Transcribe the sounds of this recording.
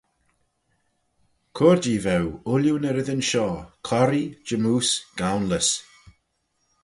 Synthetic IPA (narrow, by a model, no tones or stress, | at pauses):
kʰɔːɹd͡ʒiːvɛwʊljunəɾɪðənʃɔːkʰɔɾid͡ʒəmuːsɡ̥awnləs